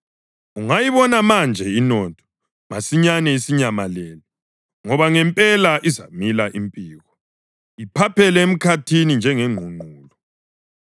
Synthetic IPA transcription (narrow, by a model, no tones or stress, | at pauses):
uŋajiβɔnamand͡ʒʱɛinɔtʰɔ̥ | masiɲanɛisiɲamalɛːlɔ | ŋɔβaŋɛmpʼɛlaʔiza̰milaʔimpʼiːɣɔ | ipʰapʰɛlɛem̩kʰatʰinind͡ʒʱɛŋeŋ͡ǃʱuŋ͡ǃʱuːlɔ